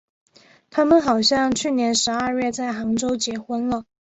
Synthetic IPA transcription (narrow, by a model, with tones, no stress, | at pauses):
t̪ʰa˥mə˨nxɑ˨˩ʊɕjɑ˥˧ŋt͡ɕʰy˥˩njɛ˧˥nʂɻ̩˧˥ə˞˥˧ɥɛ˥˧t͡sa˥˩ɪxɑ˧˥ŋʈ͡ʂo˥ʊt͡ɕjɛ˨˩xwə˥nlə˨